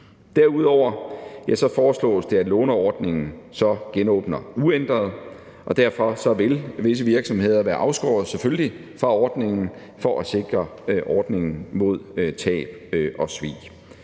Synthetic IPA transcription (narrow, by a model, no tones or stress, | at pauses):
d̥æɐuð̞ˠɒʊ̰ɐjæsɒ̽fɒːslɔ̰̽ːsd̥e̝æ̥lɔːnɐɒːd̥ne̝ŋn̩sɒ̽ɡ̥enɔ̰ːb̥nɐuend̥ʁɐð̩ˠ | ʔɒ̽d̥æɐ̰fɒ̽sɒ̽ʋe̝lʋe̝s̬əʋiɐɡ̥sɒ̽mhe̝ð̞̰ˠɐʋæɐʔɑ̈ʊsɡ̥ɒ̰ːð̩ˠsefølli | fʁɑ̈ɒːd̥ne̝ŋn̩ | fɒ̽ʔæse̝ɡ̥ʁɐʔɒːd̥ne̝ŋn̩mo̝ð̞̰ˠt͡sʰɛ̰ːb̥ʔɒ̽sʋḭː